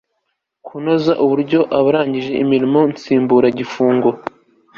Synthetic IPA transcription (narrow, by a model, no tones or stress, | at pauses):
kʰuno̞zaʔuβuɾɟo̞ʔaβaɾaːɲɟiʒe̞ʔimiɾimo̞nt͡siːmbuɾaɟifuːŋɡo̞